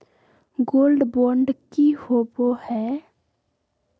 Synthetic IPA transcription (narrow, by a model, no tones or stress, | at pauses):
ɡoːlɖboːɳɖkihoːbohɛː